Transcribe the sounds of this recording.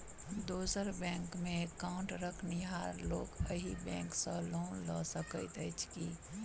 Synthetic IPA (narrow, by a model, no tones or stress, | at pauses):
d̪oːsəɾbɛ̃ŋkmẽkaʊɳʈɾəkʰniɦaɾloːkəɦibɛ̃ːŋksə̃loːnlɔsəkət̪ɛɪt͡ʃʰki